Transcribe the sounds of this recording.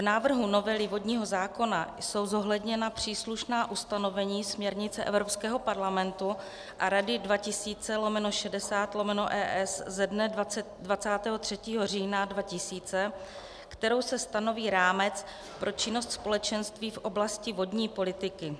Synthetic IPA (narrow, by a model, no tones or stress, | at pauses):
vnaːvr̩ɦuno̞vɛlɪvo̞dɲiːɦo̞zaːko̞najso̞wzo̞ɦlɛdɲɛnapr̝̥iːsluʃnaːʔust̪ano̞vɛɲiːsmɲɛɾɲɪt͡sɛʔɛ̰vɾo̞pskɛːɦo̞paɾlamɛnt̪u | ʔaɾadɪdvacɪsiːt͡sɛlo̞mɛnoʃɛdɛsaːt̪lo̞mɛnoʔɛːʔɛszɛdnɛdaɛ | dvat͡saːt̪ɛːɦot̪r̝̥ɛciːɦo̞r̝iːnadvacɪsiːt͡sɛ | kt̪ɛɾo̞wsɛst̪ano̞viːɾaːmɛt͡s | pɾʔo̞t͡ʃɪno̞st̪spo̞lɛt͡ʃɛnst̪viːfʔo̞blascɪvo̞dɲiːpo̞lɪt̪ɪkɪ